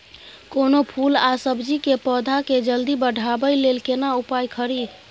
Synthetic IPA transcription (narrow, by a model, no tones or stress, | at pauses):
konopʰulasəbd͡ʒikepəd̪ʱaked͡ʒəld̪ibəɖʱabəjlelkenaupajkʰəɾid̪